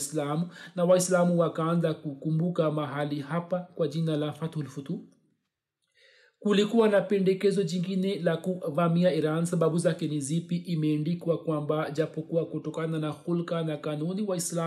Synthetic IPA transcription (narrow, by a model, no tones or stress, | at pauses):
slamunawaislamuwakaanzakukumbukamaɦalihapakwaʄinalafatlfutu | kulikuwanapɛndɛkɛzɔʄiŋɡinɛlakuvamiaiɾansaɓaɓuzakɛnizipiʔimɛːndikwakwambaʄapɔkuwakutɔkananaxulkanakanuniwaisla